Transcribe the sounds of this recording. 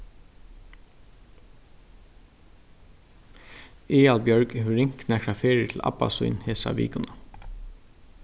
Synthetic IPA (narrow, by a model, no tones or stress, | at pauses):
eːɑlbjœɹɡhʉɾɪŋknækɹɑfeːɹət̪ʰl̩ʔɑ̰pɑ̰sʊ̰ʏnheːsɑ̰ʋḭːkʊnɑ